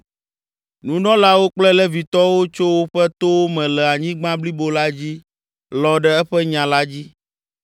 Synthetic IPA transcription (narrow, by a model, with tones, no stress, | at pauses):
nũ˨nɔ̃˦la˦wo˦k͡plɛ˦lɛ˦vi˨t̪ɔ˦wo˦t͡ʃo˦wo˦ɸɛ˦t̪o˦wo˦mɛ̃˨lɛ˨a˨ɲĩ˦ɡ͡bã˦bli˦bo˦la˦d͡ʑi˦ | lɔ˨ɖɛ˦ɛ˦ɸɛ˦ɲã˨la˦d͡ʑi˦